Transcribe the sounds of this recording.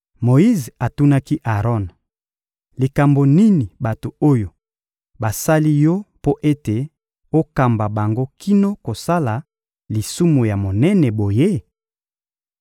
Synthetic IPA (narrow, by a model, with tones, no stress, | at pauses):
mo˨i˦za˨tu˦na˦ki˦ʔa˨ʁɔ˦n | li˨ka˨mbo˨ni˦ni˨ba˨to˨o˦jo˨ | ba˨sa˦li˦jɔ˦po˦ʔe˦te˨ | o˦ka˨mba˨ba˨ŋɡo˦kʰi˦no˦ko˨sa˦la˨ | li˨su˦mo˨ja˨mo˨nɛ˦nɛ˨bo˨je˦